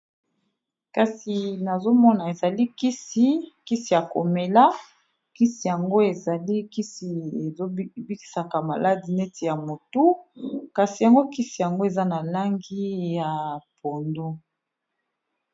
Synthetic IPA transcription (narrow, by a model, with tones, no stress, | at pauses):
ka˨si˨na˨zo˦mɔ˦na˨e˨za˨li˦ki˦si˦ki˦si˨ja˨ko̰˨me˨la˦ | ki˦si˨ja˨ŋɡo˦e˨za˨li˦ki˦si˨e˨zo˦bi˦ki̥˨sa˨ka˨ma̰˨la˦di˨nɛ˦tʰi˨ja˨mo˨tu˦ka˨si˨ja˨ŋɡo˦ki˦si˨ja˨ŋɡo˦e˨za˦na˨la˦ŋɡi˦ja˨po˨ndu˦